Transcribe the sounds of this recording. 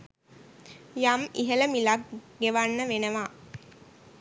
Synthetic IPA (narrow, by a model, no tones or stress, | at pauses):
jamiɦələmilak̚ɡeʋanːəʋenəʋa